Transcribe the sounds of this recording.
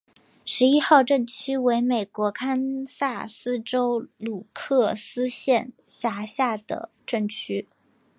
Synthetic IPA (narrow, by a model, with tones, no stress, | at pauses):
ʂɻ̩˧˥i˥xɑ˥˧ʊʈ͡ʂɤ˥˩ŋt͡ɕʰy˥we˧˥ɪme˨˩ɪkwɔ˧˥kʰa˥nsa˥˩sɹ̩˥ʈ͡ʂo˥ʊlu˨˩kʰɤ˥˩sɹ̩˥ɕjɛ˥˩nɕja˧˥ɕja˥˩d̪ə̰˩ | ʈ͡ʂɤ˥˩ŋt͡ɕʰy˥